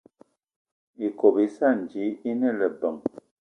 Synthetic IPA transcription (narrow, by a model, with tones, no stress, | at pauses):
i˨ko˨bi˨˦sa˦˨n˨d͡ʒi˨˦i˦nə˦˨lə˨bə˨ŋ